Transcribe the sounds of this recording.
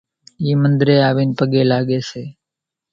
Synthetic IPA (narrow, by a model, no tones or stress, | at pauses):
iːmənd̪ɾeːaːʋiːnpəɠeːlaːɠeːseː